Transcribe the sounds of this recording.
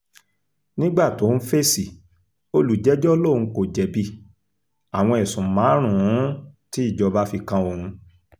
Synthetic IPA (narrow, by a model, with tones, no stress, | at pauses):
nĩ˦ɡ͡ba˦˨to˨˦fe˦si˨ | o˦lu˨d͡ʒɛ˦d͡ʒɔ˦lõ˦˨ũ˧ko˨d͡ʒɛ˨bi˦ | a˨w̃ɔ̃˧ɛ˨sũ˨mã˨˦ɾ̃ũ˦˨ũ˨˦ti˨˦i˦˨d͡ʒɔ˧ba˦fi˧kã˧o˧˨ɾũ˧